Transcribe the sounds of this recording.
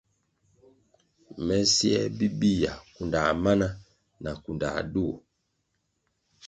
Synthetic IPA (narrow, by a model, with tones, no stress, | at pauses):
mɛ˦sjɛ˦bi˦bi˦˨ja˨ku˨nda˨ma˦na˦ | na˨ku˨nda̰˨du˦˨